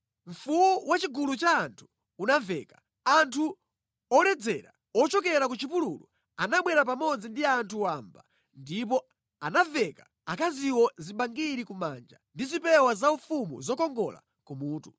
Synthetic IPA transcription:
ɱ̩fuwuwat͡ʃiɡulut͡ʃaːntʰu̥ː | navɛːkḁ | antʰu | ɔɾɛd͡zɛɾa̰ | ɔt͡ʃɔkɛɾakut͡ʃipululu | anaɓwɛɾapamɔd͡zindiantʰuwaːmba | ndip̬ɔ | anavɛka | akaziwɔziɓaŋɡiɾikumand͡ʒandizipɛwazaufumṵzɔkɔŋɡɔla̰ | kumuːtu

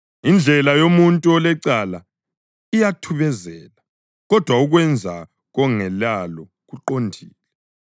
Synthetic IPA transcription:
ind͡ɮʱɛlajomuntʼuɔlɛǀala | ijatʰuβɛzɛːla | ɣɔd̥ʱwauɣwɛnd͡zʱa̰ | ɣɔŋɛlalɔ | ɣuǃondʱiːlɛ

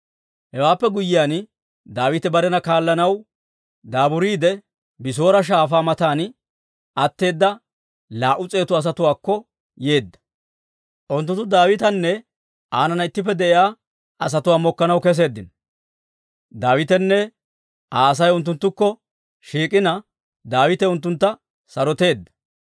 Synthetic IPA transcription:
hɛwaːpːɛɡʊjɪjaːn | d̪aːwɪt̪ɛbɐɾɛnɐkaːlːɐnɐw | d̪aːbʊɾiːd̪ɛ | bɪs̬o̞ːɾɐʃ̬aːfaːmɐt̪aːn | ʔɐt̪ːe̞ːd̪ːɐ | laːʔʊt͡sʼe̞ːt̪ʊɐs̬ɐt̪ʊwaːkːɔ | je̞ːd̪ːɐ̥ | ʔʊnt̪ːʊnt̪ːʊd̪aːwɪt̪ɐnːɛ | ʔaːnɐnɐɪt̪ːɪp̬ːɛd̪ɛʔɪjaː | ʔɐsɐt̪ʊwaːmɔkːɐnɐwkɛs̬e̞ːd̪ːɪn | d̪aːwɪt̪ɛnːɛ | ʔaːs̬ɐjʊnt̪̬ːʊnt̪ːʊkːɔ | ʃiːkʼɪnɐ | d̪aːwɪt̪ɛʊnt̪ːʊnt̪ːɐ | sɐɾɔt̪e̞ːd̪ːɐ̥

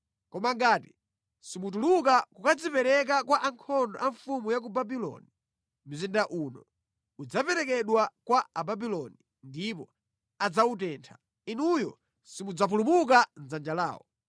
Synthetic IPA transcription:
kɔmaŋɡaːti̥ | simutulukakukad͡zipɛɾɛk̬akwaʔaŋkʰɔndɔ̰ʔaɱfumujak̬ubabilɔ̰ni | mizindaʔuːnɔ | ud͡zapɛɾɛkɛɗwakwaababilɔni | ndipɔ | ad͡zautɛːntʰḁ | inujɔ | simud͡zap̬ulumuk̬anzand͡ʒala̰ːwɔ̰

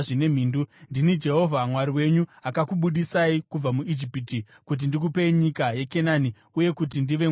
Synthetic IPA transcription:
ine̞m̤iːndundinid͡ʒe̞ɦo̞vʱamwaɾiwe̞ɲuakakuɓuɗisaikub͡vamuid͡ʒipiti | kut̬indik̬upeiɲikajeke̞naːni | uje̞kut̬indiʋe̞

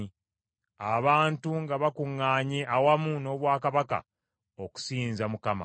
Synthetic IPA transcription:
aβaːntuŋɡaβakuŋːaːɲeʔawamuno̞ːβwaːkaβaka̰ | oku̥siːnzamukama̰

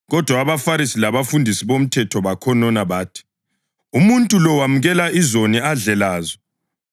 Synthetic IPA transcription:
ɣɔd̥ʱwaːβafaɾisilaβafundʱisiβom̩tʰɛtʰɔβakʰɔnɔnaβaːtʰi̥ | umuntʼulɔwamuɣɛlaizoniaɮɛlaːzɔ

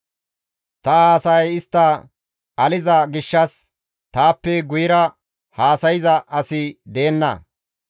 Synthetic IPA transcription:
t̪ɐaːsɐjɪst̪ːɐ | ʔɐlɪzɐɡɪʃːɐs | t̪aːpːɛɡʊjɪɾɐ | haːsɐjɪzɐʔɐsɪd̪e̞ːnːɐ̰

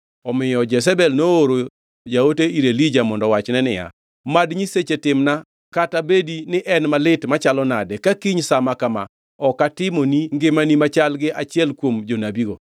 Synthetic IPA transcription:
ɔmɪjɔd͡ʒɛs̬ɛbɛlnooɾo | jaoteiɾelid͡ʒamɔndɔwat͡ʃnɛnɪja̰ | madɲiset͡ʃetɪmna | katabedinɪʔɛnmalɪtmat͡ʃalɔnadɛkakiɲsamakama̰ | ɔkatɪmoniŋɡɪmanimat͡ʃalɡɪʔat͡ʃɪɛlkwomd͡ʒonabiɡo̰

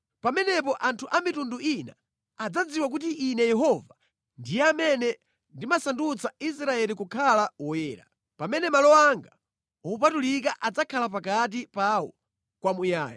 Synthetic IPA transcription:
pamɛnɛpɔʔantʰuʔamitunduina̰ː | d͡zad͡ziwak̬ut̬iʔinɛjɛɦɔva | ndijɛamɛnɛ | ndimasandut͡sais̬ɾaɛlikukʰalaɔwɛːɾa̰ | pamɛnɛmalɔwaŋɡa | ɔupatulik̬aʔad͡zakʰalap̬akat̬ipawɔ̰ | kwamuja̰ːja̰

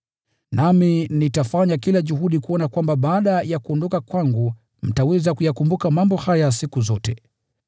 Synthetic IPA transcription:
naminitafaɲakilaʄuhuɗikuɔnakwambaɓaːɗajakuɔndɔkakwaŋɡu | m̩tawɛzakujakumbukamambɔhajasikuzɔtɛ

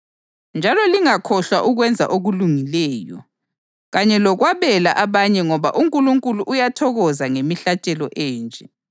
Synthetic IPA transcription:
nd͡ʒʱalɔliŋakʰɔɬwa̰ʔuɣwɛnd͡zʱa̰ʔoɣuluŋilɛːjɔ̰ | ɣaɲɛlɔɣwaβɛlaʔaβaɲɛŋɔβaʔuŋkʼuluŋkʼuluʔːjatʰɔɣɔzaŋemiɬat͡ʃʼɛlɔʔɛːnd͡ʒʱɛ

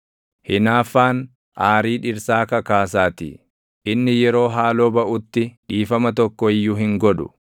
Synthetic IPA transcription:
hɪnaːfːaːn | ʔaːɾiːᶑɪɾsaːkɐkaːsaːt̪ɪ̰ | ʔɪnːɪjɛɾo̞ːɦaːlo̞ːbɐʔʊt̪ːɪᶑiːfɐmɐt̪ɔkːɔɪjːʊɦɪŋɡɔᶑʊ

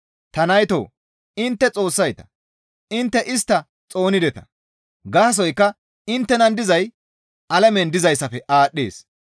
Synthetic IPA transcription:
t̪ɐnɐjt̪o̰ː | ɪnt̪ːɛt͡sʼo̞ːsːɐjt̪ɐ̥ | ɪnt̪ːɛʔɪst̪ːɐ | t͡sʼo̞ːnɪd̪ɛt̪ɐ̥ | ɡaːs̬ɔjkːɐ | ɪnt̪ːɛnɐnd̪ɪzɐj | ʔɐlɛmɛnd̪ɪzɐjsɐfɛʔaːɗːḛːs

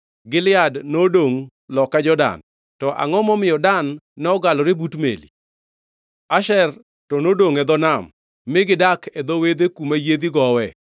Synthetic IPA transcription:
ɡɪlɪadnodoŋ | lɔkad͡ʒɔda̰n | tɔʔa̰ŋɔmɔmɪjɔdanːɛɔɡalɔɾɪbutmḛlḭ | aʃɛr | tɔnodoŋɛd̪ɔnamː | ɪɡɪdakʰɛd̪owed̪ekumajed̪iɡɔwɛ

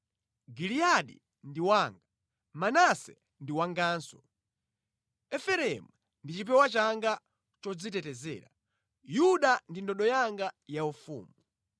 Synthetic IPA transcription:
ɡilijaɗḭ | ndiwaːŋɡa | manasɛ̰ | ndiwaŋɡaːnsɔ | ɛfɛɾɛmu | ndit͡ʃip̬ɛwat͡ʃaŋɡa | t͡ʃɔd͡zitɛtɛzɛ̰ːɾa | juɗandindɔɗɔjaŋɡajaufṵːmu

